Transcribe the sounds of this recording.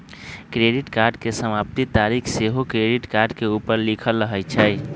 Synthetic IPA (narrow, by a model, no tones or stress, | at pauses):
kɾeɖiʈkaɾɖkesəmapt̪it̪aɾikʰseɦokɾeɖiʈkaɾɖkeupəɾlikʰəlːəɦət͡ʃʰɛj